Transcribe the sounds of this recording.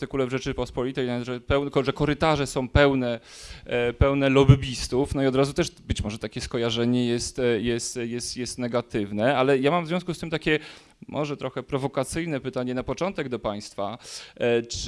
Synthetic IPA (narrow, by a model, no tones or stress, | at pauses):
t̪ɘkulɛvʐɛt͡ʂɘpɔspɔlʲit̪ɛjnʐɛpɛw̪kɔʐɛkɔɾɘt̪aʐɛsɔ̃w̃pɛwnɛ | pɛwnɛlɔbɘbʲist̪ufnɔiɔd̪ɾazut̪ɛʂbɘt͡ɕmɔʐɛt̪akʲɛskɔjaʐɛɲɛjɛst̪jɛst̪jɛst̪jɛst̪nɛɡat̪ɘvnɛʔalɛjamamvzvjɔ̃w̃s̬kust̪ɘmt̪akʲɛ | mʔɔʐɛt̪ɾɔxɛpɾɔvɔkat̪sɘjnɛpɘt̪aɲɛnapɔt͡ʂɔnt̪ɛɡd̪ɔpaj̃st̪fa | t͡ʂ